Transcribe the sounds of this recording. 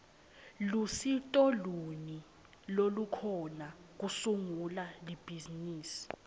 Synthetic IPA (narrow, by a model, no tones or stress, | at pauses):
lusitʼɔluni | lolukʰɔnak̬usuŋulalib̥ʱiziniːsi̥